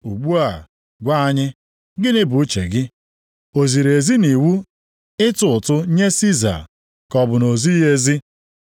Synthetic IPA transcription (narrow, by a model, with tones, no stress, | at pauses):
u˨ɡ͡bu˦a˨ | ɡʷa˦a˦ɲɪ˦ | ɡɪ˦nɪ˦bʊ˨˦t͡ʃḛ˨ɡɪ˦ | o˨zi˨ɾe˨zi˦ni˨wu˦ | ɪ˦tʊ˨ʊ˨tʊ˦ɲe˦si˦za̰˨ | kɔ˨bʊ˨no˨zi˦ɦe˦zi˦